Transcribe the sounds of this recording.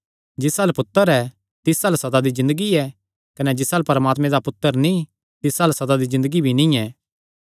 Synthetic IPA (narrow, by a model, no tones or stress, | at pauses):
d͡ʒɪsaːlpʊt̪ːəɾɛ | t̪ɪsaːlsɐd̪ad̪izɪ̃nd̪əɡiɛ | kɐnɛd͡ʒɪsaːlpɐɾəmaːt̪mẽd̪apʊt̪ːəɾnĩ | t̪ɪsaːlsɐd̪ad̪izɪ̃nd̪əɡibʱinĩɛː